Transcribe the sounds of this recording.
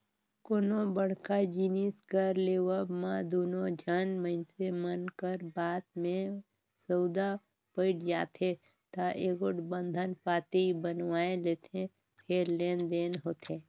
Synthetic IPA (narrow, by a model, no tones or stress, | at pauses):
koːnõbəɽ̤kad͡ʒiːniskəɾleːwəbmãd̪oːnõd͡ʒʱənməɪnsemənkəɾbaːt̪mẽ | səwd̪a | pəɪʈd͡ʒaːt̪ʰe | t̪aʔeːɡoʈbə̃nd̪ʱənpaːt̪eibənwaːeleːt̪ẽ | pʰeɾleːnd̪eːnɦoːt̪ʰeː